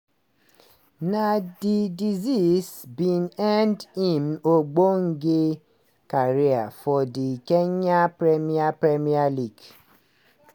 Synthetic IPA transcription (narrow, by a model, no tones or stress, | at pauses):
nadidizisbinɛndimoɡ͡boŋ̩ɡe | kaɾeafɔdikeɲapɾemiapɾemialiɡ